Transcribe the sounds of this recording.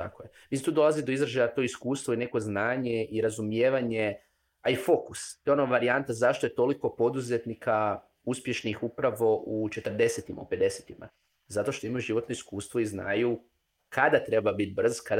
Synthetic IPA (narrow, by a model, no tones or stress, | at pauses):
t̪a̰kojemisimt̪uːd̪o̞lˠazid̪o̞izɾaʒajat̪o̞iskuːst̪ʋoine̞ko̞znaːɲeʔiɾazumjeːʋaɲe̞ | aifo̞kust̪oonoʋaɾiant̪azaʃt̪o̞je̞t̪o̞liko̞po̞d̪uze̞t̪nikʰa | uspje̞ʃnixupɾaʋo̞ʔut͡ʃe̞t̪r̩d̪e̞set̪ima̰ṵpe̞d̪e̞set̪ima̰ | zat̪o̞ʃt̪o̞imajuʒiʋo̞t̪no̞iskuːst̪ʋo̞izna̰ːju | kʰad̪at̪ɾe̞babit̪̚br̩zkad̪